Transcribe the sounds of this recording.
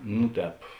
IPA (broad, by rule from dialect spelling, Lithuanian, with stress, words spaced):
nʊ ˈtʲɛːp